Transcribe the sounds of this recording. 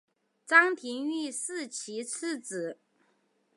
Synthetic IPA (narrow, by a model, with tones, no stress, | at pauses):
t͡sɑ˥ŋt̪ʰi˧˥ŋy˥˧sɹ̩˥˧t͡ɕʰi˧˥t͡s̩ʰ˥˩t͡sɹ̩˨˩˦